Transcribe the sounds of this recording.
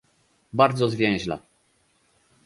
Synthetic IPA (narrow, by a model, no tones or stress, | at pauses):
baɾd̪zɔzvʲjɛ̃w̃ʑla̰